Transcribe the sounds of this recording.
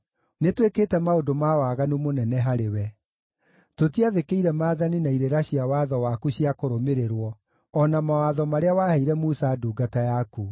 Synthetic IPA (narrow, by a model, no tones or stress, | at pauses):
netwekeːtɛmaodomawaɣanumonɛnɛɦaɾewɛ | totiaðekeiɾɛmaːðaninaiɾeɾaɕiawaðɔwakuɕiakoɾomeɾeɾwɔ | ɔnamawaðɔmaɾeawaheiɾɛmusaduːɡatajaku